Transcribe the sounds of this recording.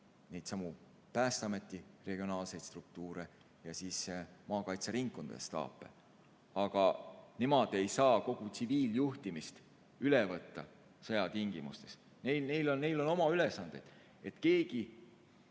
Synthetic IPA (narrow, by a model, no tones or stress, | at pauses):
nejd̪̥sɑmu | pæːst̪ɑme̞t̪ːˑire̞ɡ̥io̞nɑːlse̞jt̪st̪ruk̚t̪uːɾe̞ | jɑsiːsmɑːkɑjt̪seɾiŋkːˑund̪̥ḛst̪ɑ̰ːpːˑe̞̰ | ɑɡ̥ɑnemod̪̥e̞jsɑːko̞ɡ̥ut̪siviːljuht̪imist̪ | ylevɤt̪ːɑ̰ | sɤjɑt̪iŋɡ̥imṵst̪e̞s | nejlnejlo̞nnːejlo̞no̞mɑylesɑnd̪̥ed̪̥ | e̞t̪ke̞ːɡi